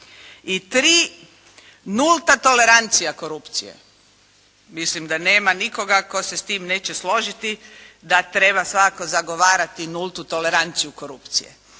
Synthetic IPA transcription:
it̪ɾiː | nult̪at̪o̞le̞ɾant̪sijako̞ɾupt̪sḭjḛ | mislimd̪aneːmaniko̞ɡako̞se̞st̪iːmne̞ːt͡ɕeslˠo̞ʒit̪id̪at̪ɾe̞basʋakko̞zaɡo̞ʋaːɾat̪inulˠt̪ut̪o̞le̞ɾant̪sijuko̞ɾupt̪sḭjḛ

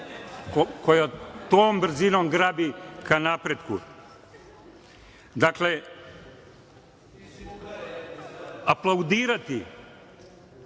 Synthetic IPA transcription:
kokojat̪oːmbr̩zinomɡɾaːbikanapɾet̪ku | d̪akle | aplˠaud̪iːɾat̪i

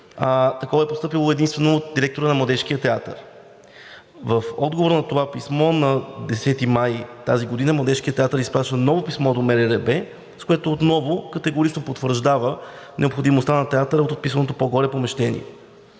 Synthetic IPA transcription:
at̪ɐkɔvɐɛpost̪ɤpilˠoɛd̪inst̪vɛnoːt̪̚d̪iɾɛk̚t̪oɾənɐmlˠɐd̪ɛʃkiət̪ɛat̪ə̰ɾ | vəfɔd̪ɡovoɾnɐt̪ovapismɔnɐd̪ɛsɛt̪imajt̪aziɡod̪inəmlˠɐd̪ɛʃkiət̪ɛat̪əɾispɾaʃənɔvopismɔd̪omɛɾɛɾɛbɛ | skoɛt̪oːt̪nɔvokɐt̪ɛɡoɾit͡ʃnopot̪vəɾʒd̪avə | nɛopxod̪imost̪anɐt̪ɛat̪əɾəot̪ot̪̚pisənot̪opoɡɔɾɛpomɛʃt̪ɛnḭɛ̰

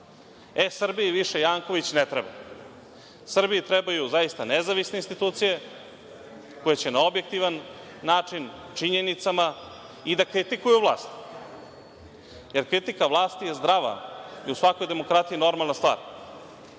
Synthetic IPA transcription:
esr̩biiʋiʃe̞jaːŋko̞ʋit͡ɕnet̪ɾeba̰ | sr̩biit̪ɾebajuzajist̪anezaʋisneinst̪it̪uːt̪sije̞ | ko̞jet͡ɕenao̞bje̞k̚t̪iʋanː | aːt͡ʂint͡ʃiɲenit̪sama | id̪akɾit̪ikujuvlˠa̰ːst̪ | je̞ɾkɾit̪ikaʋlˠaːst̪ijezd̪ɾaʋa̰iusʋakojd̪e̞mo̞kɾat̪iino̞ɾmalˠnast̪va̰ːɾ

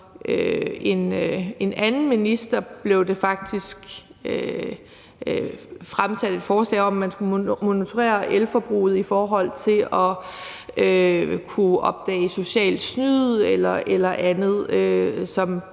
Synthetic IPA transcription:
ʔøe̝ne̝nænn̩minisd̥ɐb̥le̝ʊd̥e̝fɑ̈ɡ̥̚d̥isɡ̥ | ø | fʁamsæd̥e̝d̥fɒːslɛ̰ːɪɒ̽mːænsɡ̥umo̝nit͡sʰo̝ʁḛːɐʔelfɒb̥ʁṵːð̞̩ˠifɒːɦɒ̽l̰t͡sʰe̝lʔɒ̽ | økʰuʔɒ̽b̥̚d̥ɛ̰ːɪso̝ɕɛ̰ːld̥snyð̰ˠelɐʔelɐʔænð̞̩ˠøsɒ̽m

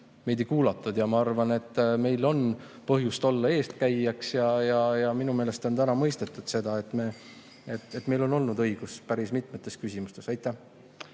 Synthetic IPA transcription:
me̞jd̪ekuːlɑt̪ːˑud̪̥jɑmɑɑrvɑne̞t̪ːme̞jlo̞n | pɤɦjust̪o̞lːɑe̞ːst̪̚kæjːɑksjɑjɑjɑminume̞ːle̞st̪o̞nt̪ænɑmɤ̞jst̪e̞t̪ːˑud̪̥se̞d̪̥ɑe̞t̪ːˑme | et̪ːet̪ːme̞jlo̞no̞lnud̪ɤ̞jɡ̥uspæɾismit̪ˑmet̪ːˑe̞skysʲimust̪e̞sɑjt̪ːˑæh

